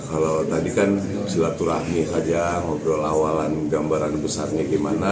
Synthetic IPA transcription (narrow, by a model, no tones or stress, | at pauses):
kalot̪adikan | silat̪uɾahmisad͡ʒaŋɔk̚dɔlawalanɡambaɾanbəsarɲaɡemana